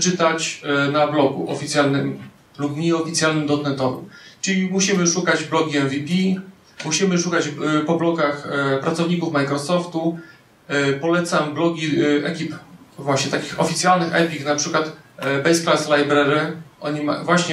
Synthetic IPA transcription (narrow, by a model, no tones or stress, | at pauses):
t͡ʂɘt̪at͡ɕnablɔɡṵʔɔ̰fʲit̪sʲjalnɘm | lupɲɛɔfʲit̪sʲjalnɘmd̪ɔt̪nɛt̪ɔvɘ̰mt͡ʂɘlʲimuɕimɘʂukad͡ʑblɔɡʲiɛnvʲipʲi | muɕimɘʂukad͡ʑpɔblɔɡaxpɾat̪sɔvɲikufmajkɾɔsɔft̪u | pɔlɛt̪samblɔɡʲiɛkʲipvwaɕɲɛt̪akʲixɔfʲit̪sʲjalnɘxɛpʲiknapʂɘkwat̪bɛjsklaslajbɾɛɾɘʔɔɲimavwaɕɲɛ